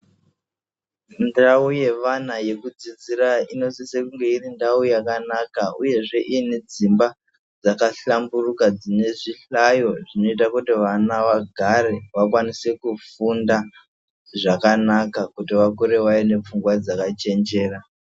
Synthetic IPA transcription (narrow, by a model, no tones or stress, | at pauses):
ndauje̞ʋanaje̞kud͡zid͡ziɾaino̞sisekuŋɡe̞irindawujakanakauje̞ʐe̞ʔined͡zimba | d͡zakaɬamburukad͡zine̞ʐiɬajo̞ʐino̞itakutiʋanaʋaɡʱaɾeʋakwanise̞kufunda | ʐakanakakutiʋakuɾe̞waine̞p͡fuŋɡwad͡zakat͡ʃe̞nd͡ʒe̞ːra